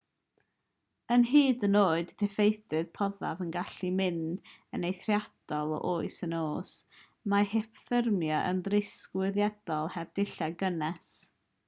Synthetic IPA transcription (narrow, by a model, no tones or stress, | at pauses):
ənɦiːdənoːɨddʰɛfejθɨð̥pʰɔða̰vənɡaɬimɪnd̥ənejθrjad̥ɔlˠɔ̰ʔoːɨsənoːs | mahepʰθɪrmjɔʔə̰nðrɪskwɪðjɛd̥ɔlˠhɛb̚dɪɬaɡənɛs